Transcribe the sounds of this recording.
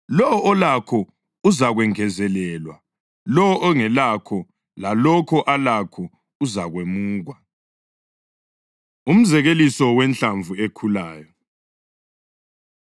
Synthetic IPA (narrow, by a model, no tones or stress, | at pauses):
lɔʔɔlakʰɔ | uzaɣwɛŋɛzɛlɛːlwa | lɔɔʔɔŋɛlakʰɔ | lalɔkʰɔʔalakʰɔ | uzaɣwemuːɣwa | um̩zɛɣelisɔwɛnt͡ɬaɱvuekʰulaːjɔ